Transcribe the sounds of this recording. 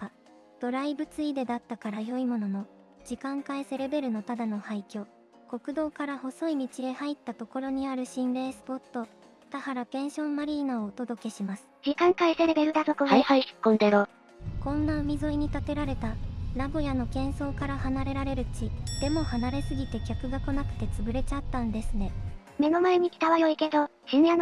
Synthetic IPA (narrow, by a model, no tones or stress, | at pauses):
d̪̥o̞ɾaibɯ̟t͡sɨid̪e̞d̪at̪ːakaɾajo̞imo̞no̞no̞ | d͡ʑikãŋkaese̞ɾe̞be̞ɾɯ̟no̞t̪ad̪ano̞haikʲo̞ː | ko̞kɯ̟d̪o̞ːkaɾaho̞so̞imʲit͡ɕid̪e̞hait̪ːat̪o̞ko̞ɾo̞ɲ̟iaɾɯ̟ɕĩnɾe̞ːsɨ̥po̞t̪ːo̞ | t̪ahaɾapẽ̞ɰ̃ɕõ̞mːaɾʲiːnaoːt̪o̞d̪o̞ke̞ɕimasɨ̥ɾikãŋkaiseɾebeɾɯ̟d̪at̪okoɦaihaiɕi̥kːõnd̪eɾo | kõ̞nːaɯ̟mʲizoiɲ̟it̪at̪e̞ɾaɾe̞t̪anaɡo̞jano̞kẽ̞ɰ̃so̞ːkaɾahanaɾe̞ɾaɾe̞ɾɯ̟t͡ɕid̪̥e̞mo̞hanaɾe̞sɨɡʲit̪e̞kʲakɯ̟ɡako̞nakɯ̟̥t̪e̞t͡sɨbɯ̟ɾe̞t͡ɕat̪ːãnd̪e̞sɨne̞ | me̞no̞maeɲ̟ikʲi̥t̪aβajo̞ike̞d̪o̞ | enjano